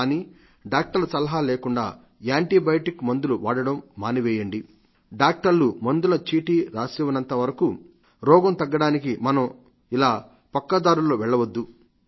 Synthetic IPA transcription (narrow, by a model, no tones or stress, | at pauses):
niː | ɖaːk̚ʈɐɾlɐsɐlɐɦaːleːkuɳɖa̰ː | aːɳʈibɐjʈikmɐnd̪uluʋaːɽɐɽɐmːaːniʋɛːjɐɳɖi | ɖaːk̚ʈɐɾlumɐnd̪ulɐt͡ʃiːʈiɾaːsiʋɐnɐnt̪ɐʋɐɾɐku | ɾɔːɡɐmt̪ɐɡːɐɽaːnikimɐnɐm | ilaː | pɐkːɐd̪aːɾuloːʋɛɭːɐʋɐd̪ːu